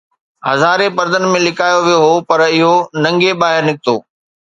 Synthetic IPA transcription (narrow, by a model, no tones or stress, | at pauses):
hɐzaːɾepɐɾd̪ənɪ̆mẽlɪkaːjoʋijoɦopɐɾɪɦonɐ̃ŋɡebaːɦɪɾnɪk̚t̪o̰ː